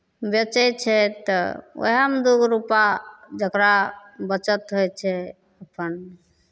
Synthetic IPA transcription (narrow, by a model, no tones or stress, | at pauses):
bjət͡ʃɛt͡ʃʰɛt̪ə̰o̰ɦəmd̪uɡɾupad͡ʒəkɾabət͡ʃət̪ɦojt͡ʃʰɛ | əpʰən